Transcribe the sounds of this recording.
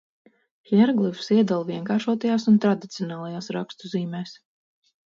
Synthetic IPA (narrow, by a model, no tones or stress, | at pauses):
xɛɾɡlˠifsiɛd̪alˠviɛŋkaːɾʃuɔt̪ajaːsunt̪ɾad̪it̪siɔnaːlˠajaːsɾa̰kst̪uziːmɛːs